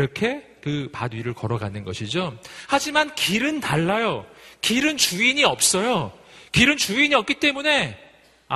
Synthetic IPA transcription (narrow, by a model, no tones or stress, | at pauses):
ɾʌkʰe̞ | kɯpadɥiɾɯɭkʌɾʌɡanɯnɡʌɕʰid͡ʑohad͡ʑimankiɾɯntaɭːajokiɾɯnt͡ɕuiɲiʌp̚s͈ʌjokiɾɯnt͡ɕuiɲiʌp̚k͈it͈e̞mune̞ | a